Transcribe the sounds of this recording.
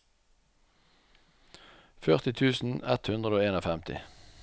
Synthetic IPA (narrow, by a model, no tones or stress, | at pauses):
fœʁt̪ɪt̪ʰʉːsn̩ɛt̪hʉnd̪ʁəd̪oːeːnoːfɛmt̪ʰɪ̰